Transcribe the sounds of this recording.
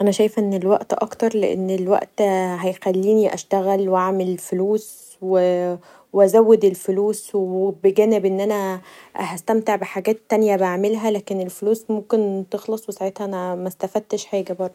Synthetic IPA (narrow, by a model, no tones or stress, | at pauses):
ʔænæʃæjefʔenːelwæʔt̪ʔɑ̰kt̪ɑɾˤlḛʔḛnːelwæ̰ʔt̪ɦæjxælːiːniʔæ̰ʃt̪æɣælwʔaʕmelfoluːs | we | weʔæzæwːed̪elfoluːswebeɡæːnebʔenːʔænæhæst̪æmt̪eʕbeħaɡæːt̪ːænjæbaʕmelɦælæːkenelfoluːsmomkent̪exlɑsˤwesaʕet̪hæʔænæmæst̪æfæd̪̚t̪eʃħeːɡæbɑɾˤd̪ˤ